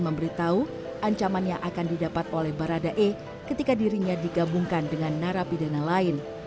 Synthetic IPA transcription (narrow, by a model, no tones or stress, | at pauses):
məmbəɾit̪au | ʔaɲt͡ʃamanɲaʔakandidapat̪̚olɛhbaɾadaʔe | kət̪ikadiɾiɲadiɡabuŋkandəŋanːaɾapidanalaɪn